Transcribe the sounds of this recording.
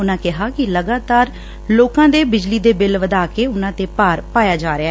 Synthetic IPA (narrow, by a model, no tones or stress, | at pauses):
ʊnãːkɪɦaːkɪləɡaːt̪aːɾ | loːkãːd̪eːbɪd͡ʒliːd̪eːbɪlʋəd̪aːkeːʊnãːt̪eːpaːɾpaːjaːd͡ʒaːɾea